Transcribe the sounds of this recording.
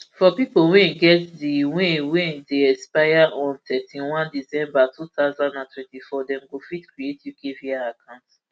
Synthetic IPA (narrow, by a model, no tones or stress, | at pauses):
fɔpipolwɛ̃ɡɛtdiwẽwɛ̃deɛspajaɔ̃mtʰɛtĩnwãndisɛ̃mbatʰutaʊzãndãntʰwɛ̃ntifɔdɛ̃mɡofitkɹietiv̥kʰeviaakʰãʊ̃nt